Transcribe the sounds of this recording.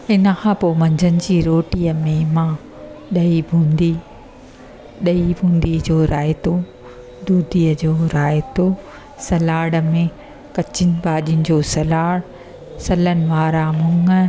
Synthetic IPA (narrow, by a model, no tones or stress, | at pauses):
ɪnəkʰãːpoːmɐ̃ɲd͡ʑʱənɪ̆d͡ʑiːɾoːʈiːəmẽmãː | ɗɐibʱũːnd̪i | ɗɐibʱũːnd̪id͡ʑoːɾaːet̪o | d̪uːd̪iːəd͡ʑoːɾaːet̪o | sɐlaːɽə̆mẽ | kɐt͡ɕɪnɪ̆baːɗijʊnɪ̆d͡ʑoːsɐlaːɽ | sɐlənɪ̆ʋaːɾamʊŋə